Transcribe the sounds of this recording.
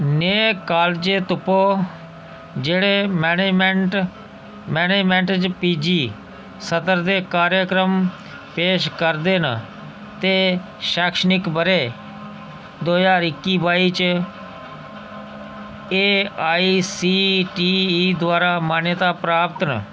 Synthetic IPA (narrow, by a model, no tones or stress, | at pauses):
neːkaːld͡ʒeːt̪ʊpoː | d͡ʒeːɽeːmɛːned͡ʒmeɳʈ | mɛːneːd͡ʒmẽɳʈt͡ʃpiːd͡ʒiː | sət̪əɾd̪eːkaːɾjəkɾəm | peːʃkəɾd̪eːnə | t̪eː | ʃaːkʃənɪkbəɾeː | d̪oːjaːɾɪkːiːbaːiːt͡ʃ | eːaːiiːsiːʈiːd̪ʊwaːɾaːmaːnjət̪aːpɾaːpt̪nə̰